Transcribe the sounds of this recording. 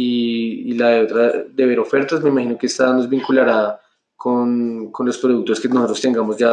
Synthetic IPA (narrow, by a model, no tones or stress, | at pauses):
iːlaðe̞o̞t̪ɾad̪e̞βe̞ɾo̞fe̞ɾt̪asme̞imahino̞keest̪ano̞zbiŋkulaɾa | kʰonko̞nlo̞spɾo̞ðuk̚t̪o̞eskenost̪ɾost̪eŋɡamozd͡ʒa